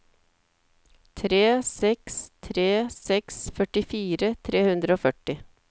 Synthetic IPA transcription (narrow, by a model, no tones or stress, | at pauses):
t̪ʰɾeːsɛkst̪ʰɾeːsɛksfœʈɪfiːɾət̪ʰɾeːhʉnd̪ɾəoːfœʈɪ